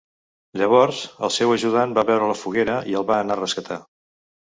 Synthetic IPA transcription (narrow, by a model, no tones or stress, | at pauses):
ʎəβ̞ɔɾzəlˠsɛwəʒuðambaβɛwɾələfuɣeɾəʔiəlˠβaəːnarəskət̪a